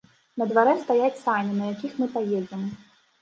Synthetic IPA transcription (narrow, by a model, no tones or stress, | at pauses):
nɐd̪vaɾɛst̪ajat͡sʲsanʲinɐjakʲixmɨpajɛd͡zʲɛm